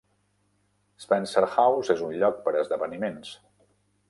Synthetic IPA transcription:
spɛnsəɾxawzezunʎɔk̚pəɾəzðəβənimens

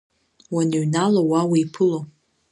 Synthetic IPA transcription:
wanɨɥnalowawiipʰɨlo

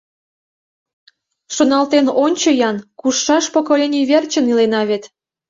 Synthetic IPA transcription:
ʃonɑlt̪enonʲt͡ɕəjɑnkuʃːɑʃpokolʲenʲijβert͡ɕə̆nilenɑβet̪

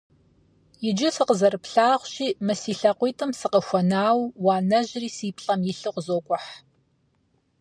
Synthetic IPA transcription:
jɪd͡ʒɪsɨqəzɐrɨpɬaːʁʷɕiːmɨsiːɬɐqʷiːtʰɨmsɨqəxʷɔnaːwwaːnɐʑriːsiːpɬʼɐmjɪɬɨqʷzoːkʷʼʊħ

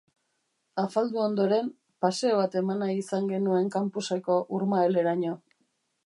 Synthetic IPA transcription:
afald̪uo̞nd̪o̞ɾe̞m | paseoβat̪e̞manaiisaŋɡe̞nue̞ŋkampusako̞ʔuɾmaele̞ɾaɲo̞

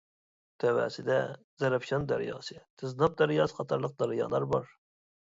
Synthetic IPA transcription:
t̪ʰɛwæ̰ːsɪd̪ɛ | zɛɾɛpʃɑnd̪æ̰ɾjɑ̰ːsɨt̪ʰɨznɑp̚d̪æɾjɑsqɑt̪ʰɑɾlˠəq̚d̪ɑɾjɑ̰ːlˠɑɾbɑɾ

